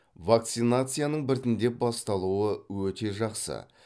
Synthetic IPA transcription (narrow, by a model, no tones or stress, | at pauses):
vak̚t̪sɨnat̪sɨjanəɴbɪɾt̪ɪnd̪e̞p̚bɑst̪ɑlˠuəwɵt̪e̞ʒɑqsə̰